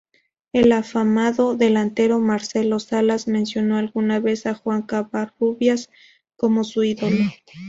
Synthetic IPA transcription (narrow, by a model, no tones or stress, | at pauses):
e̞lafamaðo̞ðe̞lant̪e̞ɾo̞maɾse̞lo̞salazmẽ̞nsjo̞no̞alɣunaβe̞saxwaŋkaβaruβjas | ko̞mo̞suiðo̞lo